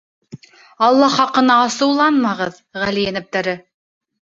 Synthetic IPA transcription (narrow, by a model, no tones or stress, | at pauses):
ɑlˠːɑχɑqɤ̆nɑːsɤ̆wlˠɑnmɑʁɤð | ʁælijænɘ̆p̚t̪æɾɘ